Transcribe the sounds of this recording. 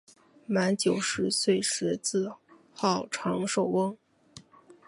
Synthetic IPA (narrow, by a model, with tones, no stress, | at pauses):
ma˧˥nt͡ɕjo˨˩ʊʂɻ̩˧˥swe˥˧ɪʂɻ̩˧˥t͡sɹ̩˥˧ | xɑ˥˩ʊʈ͡ʂʰɑ˧˥ŋʂo˨˩ʊwɤ˥ŋ